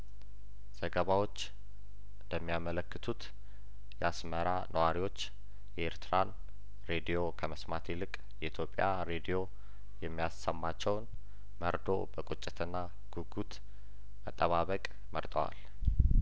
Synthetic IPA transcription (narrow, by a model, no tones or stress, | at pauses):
z̥əɡəβawo̞t͡ʃː | ɨnd̪əmːijamələkːɨt̪ʰut̪ | jɛasməɾanʔəwaɾiwo̞t͡ʃː | jɛʔeɾt̪ʰɨɾan | ɾed̪ijo̞kʰəməsmat̪ʰelɨkʼ | jɛʔit̪ʰjo̞pʼijaɾe̞d̪ijo̞ | jɛmːijasəmːat͡ʃːɛwn | məɾd̪o̞̰bəkʼut͡ʃʼːɪ̥t̪ʰɨnːa | ɡ̥uɡut̪ | mət̪ʼːəβaβəkʼ | məɾt̪ʼəwa̰l